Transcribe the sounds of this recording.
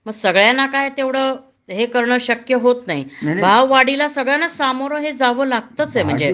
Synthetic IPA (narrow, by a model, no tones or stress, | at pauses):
məɡsəɡɭjanakajt̪eʋɽ̤əː | ɦekəɾɳəɕəkjəɦot̪naibʱaʋːaɽilasəɡɭjanasamoɾəɦed͡zaʋəːlaɡ̚t̪ət͡sem̤əɳd͡ze